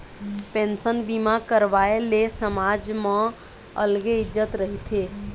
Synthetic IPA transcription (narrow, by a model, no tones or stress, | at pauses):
pẽnsənbimakəɾʋaelesəmad͡ʒmã | ə̰lɡeɪd͡ʒət̪ɾəɦit̪ʰe